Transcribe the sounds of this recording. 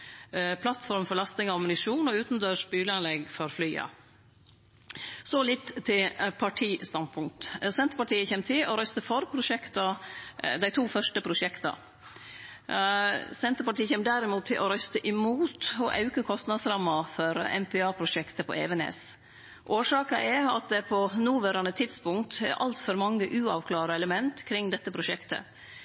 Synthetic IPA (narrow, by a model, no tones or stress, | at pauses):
pʰlɑt̪fɔɾmfɔlɑst̪ɪŋɔɑmʊnɪʂuːnɔʉːt̪n̩d̪øːʂbyːləɑnlɛɡfɔɾflyːɑ̰ | sɔlɪt̪ːt̪ʰːɪlpʰɑʈʰiːst̪ɑnpʰʊŋk̚t̪sɛnt̪əɾpɑʈiːəçɛmːt̪ʰɪlɔɾœst̪əfɔɾpʰɾʊʂɛkt̪ɑd̪æɪt̪ʰuːfœʂʈəpʰɾʊʂɛkt̪ɑ̰ | sɛnt̪əɾpɑʈiːəçɛməd̪æɾɪmuːt̪ʰːɪlʔɔɾœst̪əʔɪmuːt̪ɔʔɑ̰ʉkəkʰɔst̪nɑd̪sɾɑmːɑfɔɾɛ̰npʰɛɑːpʰɾʊʂɛkt̪əpʰɔ̰ʔɛ̰ːʋɛnḛːs | ʔoːʂɑːkɑʔɛɑ̰t̪̚d̪ɛpʰɔnuːʋæɾɑnət̪ʰɪd̪spʊŋkt̪ɛ̰ɾʔɑ̰lt̪fɔɾmɑŋːəʔʉːɑʋkʰlɑːɾəɛləmɛnt̪kʰɾɪŋːd̪ɛt̪ːəpʰɾʊʂɛkt̪ə̰